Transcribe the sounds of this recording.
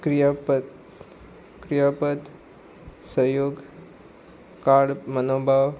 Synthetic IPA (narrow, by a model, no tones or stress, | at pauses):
kɾijapə | kɾijapət̪ | səjoːɡ | kaɽmənoːbʱaʋ